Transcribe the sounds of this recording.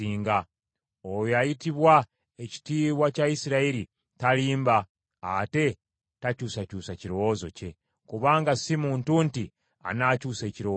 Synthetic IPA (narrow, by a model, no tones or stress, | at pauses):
iːŋɡa | ojoajitiβwa | eci̥tiːwacaisiɾaiɾi | taliːmbaː | te̞ | tacuːsacuːsaciɾowozo̞̰ce̞ | kuβaːŋɡasimuːntunti | a̰nacuːse̞ciɾo